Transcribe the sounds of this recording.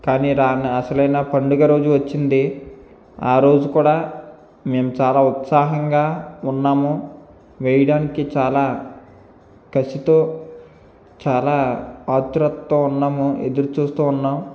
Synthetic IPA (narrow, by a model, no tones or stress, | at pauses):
kaːniɾaːniɐsɐlɐjnaːpɐɳɖuɡɐɾo̞ːd͡ʒuʋɐt͡ʃːind̪i | aːɾo̞ːd͡ʒukuːɽaː | me̞ːmut͡ʃaːlaːut̪saːɦɐŋɡaːunːaːmu | ʋejɐɽaːnikit͡ʃaːlaː | kɐsit̪oː | t͡ʃaːlaːaːt̪ːuɾɐt̪ːounːaːmued̪uɾut͡ʃuːst̪uːunːaːm